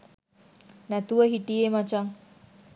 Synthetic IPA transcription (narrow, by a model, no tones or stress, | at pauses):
næt̪uʋəɦiʈiemat͡ʃaŋ